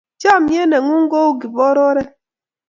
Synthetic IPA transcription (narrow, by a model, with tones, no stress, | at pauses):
t͡ʃa˦˨m̩˨ɲe˦ne˨ŋu˦ŋ̩˦ɡo˦u˦ɡi˨bɔ˦ɾɔ˦ɾe˦